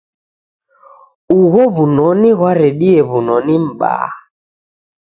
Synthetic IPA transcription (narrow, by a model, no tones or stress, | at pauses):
uɣɔβunɔniɣwaɾɛɗiɛβunɔnim̩ɓa̰